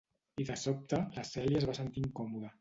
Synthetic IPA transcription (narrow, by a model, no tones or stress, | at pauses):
iðəsop̚t̪ələsɛljəzβasənt̪iŋkɔmuðə